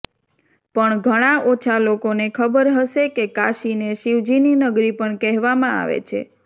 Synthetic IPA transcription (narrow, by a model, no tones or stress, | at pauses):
pəɳɡʱəɽ̃aʔot͡ʃʰalokonekʰəbəɾɦəʃekekaʃineʃiʋd͡ʒininəɡɾipəɳkɛɦʋamãa̰ʋḛt͡ʃʰḛ